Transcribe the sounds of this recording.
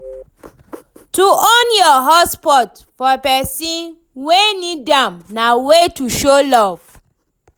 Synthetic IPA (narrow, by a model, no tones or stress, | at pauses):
tuɔ̃njɔɦɔspɔt | fɔepɛsĩn | wenidãmnawetuʃolɔv̥